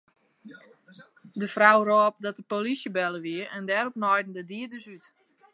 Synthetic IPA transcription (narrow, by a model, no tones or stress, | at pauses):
dəfrawrɔːp̚dɔt̚dəpolisjəbɛləʋiəɛndɛɾopnɔjdn̩dədiədəsyt